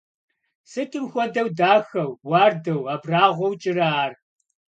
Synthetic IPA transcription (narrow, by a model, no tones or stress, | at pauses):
sɨtʼɨmxʷɔdɐwdaːxɐwːaːrdɐwaːbraːʁʷɔwt͡ʃʼɪraːr